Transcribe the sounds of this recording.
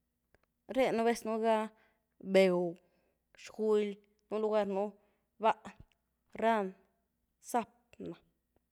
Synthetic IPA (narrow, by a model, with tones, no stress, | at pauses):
ɾe˦nu˧βe˦snu˦ɡa˦ | be˨w | ʃɡi˧˦l | nu˦lu˧ɡa˧ɾnu˦ | ba˦ʔ | ɾa˦˧n | sa˦p̚na˨